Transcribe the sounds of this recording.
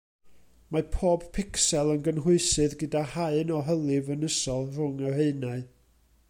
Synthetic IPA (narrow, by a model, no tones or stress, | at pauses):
mapʰoːb̥pʰɪksɛlˠənɡənɦʊɨsɨðɡədahaɨnɔɦəlˠɨvənəsɔlˠr̥ʊŋəheɨnaɨ